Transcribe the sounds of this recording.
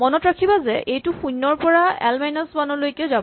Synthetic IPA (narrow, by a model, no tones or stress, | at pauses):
mɔnɔtɹakʰibazɛʔejtʊxunːɔɹpɔɹaɛ̰lmajnɔsbanɔlojkɛʊzabɔ